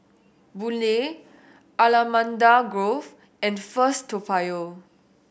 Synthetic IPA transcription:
bule | alamãndaɡɹof | ɛ̃nfəstʰːopajo

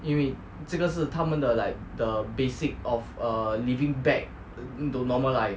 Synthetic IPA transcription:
iwĩn | sikəs̬ətʰamə̃ndəlaɪk̚dəbesik̚ɔfʌlivĩŋbɛk̚ | ĩntunɔməlaɪ

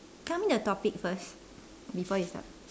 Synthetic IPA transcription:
kãmĩntuətɔpik̚fəs | bifɔjusta̰t̚

